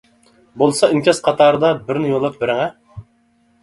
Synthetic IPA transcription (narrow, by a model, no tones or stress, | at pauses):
bolˠsɑinkʲɛsqʰɑt̪ʰɑːɾɨd̪ɑbɪɾnɪjolˠɑp̚bɪɾɪŋɛ